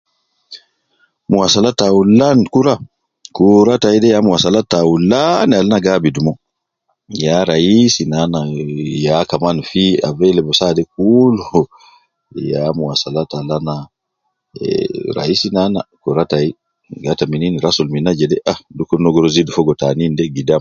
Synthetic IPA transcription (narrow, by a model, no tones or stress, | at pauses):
muwasalatawulankuɾa | kuɾataidɛjamuwasalatawulːanalnaɡabidumɔ | jaɾaisinanajakamanfia̰vɛlɛbɔsadɛk̚ulɔɔ | jamuwasalatalana̰ | ɾa̰isinana̰kuɾatai | ɡatamininiɾasɔlminad͡ʒɛdɛʔadukːɔnɔɡɔɾɔzidufɔɡɔtanindɛɡidam